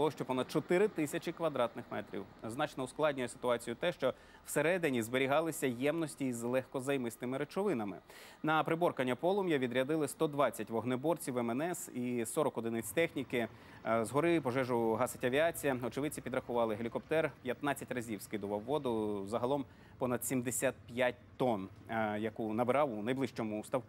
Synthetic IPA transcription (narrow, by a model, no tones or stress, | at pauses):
lˠɔʃt͡ʃɔpɔnɐd̪̥̚t͡ʃɔt̪ɪɾɪt̪ɪsʲɐt͡ʃʲikʋɐd̪ɾɑt̪nɪxmɛ̰t̪ɾʲḭwznɑt͡ʃnɔusklˠɑdʲnʲijɛsɪ̥t̪ʊɑt͡sʲijʊt̪ɛʃt͡ʃɔ | wseɾɛd̪ɪnʲizbeɾʲiɦɑlˠɪsʲɐjɛmnɔsʲtʲizlˠɛxkɔzɐjmɪst̪ɪmɪɾet͡ʃɔʋɪnɐmɪ̰ | nɐpɾɪbɔrkɐnʲːɐpɔlˠʊmjɐʋʲid̪ɾʲɐd̪ɪlˠɪst̪ɔd̪ʋɑt͡sʲːɐtʲʋɔɦnɔbɔrt͡sʲiwɛmɛnɛsisɔɾɔkɔd̪ɪnɪt͡sʲt̪ɛxnʲikɪ | zɦɔɾɪpɔʒɛʒʊɦɑsɐtʲɐʋʲiɑt͡sʲijɐɔt͡ʃɪʋɪt͡sʲipʲid̪ɾɐxʊʋɑlˠɪɦelʲikɔpt̪ɛrpʲjɐt̪nɑt͡sʲːɐtʲrɐzʲiwskɪd̪ʊʋɐwːɔd̪ʊzɐɦɐlˠɔm | pɔnɐd̪̥sʲimd̪esʲat̪̚pʲjat̚ʲt̪ɔn | jɐkunɐbɪɾɑwʊnɐjblˠɪʃt͡ʃɔmʊst̪ɐw